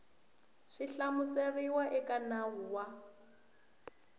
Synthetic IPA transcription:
ʂiɬamuseriwaʔɛkʼanaɦuwa

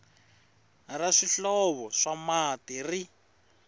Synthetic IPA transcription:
raʂiɬɔβɔʂamatiri

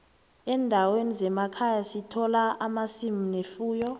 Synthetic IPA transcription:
ɛːndʱawenizɛmakʰajasitʰɔlaʔamasiminefuːjɔ

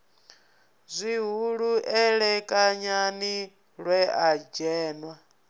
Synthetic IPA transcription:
zʷiɦuɺuʔɛɺɛkʼaɲani | ɺwɛad͡ʒɛːnwa

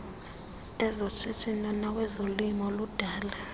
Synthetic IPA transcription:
ɛzɔt͡ʃʰetʰʼinɔnawɛzolimɔlud̥ʱaːla

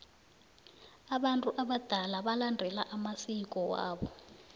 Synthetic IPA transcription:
aɓantʼuʔaɓad̥ʱalaɓalandʱɛlaʔamasik̬ʼɔwa̰ːɓɔ

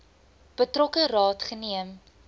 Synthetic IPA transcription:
b̥ətrɔkərɑːtχəniəm

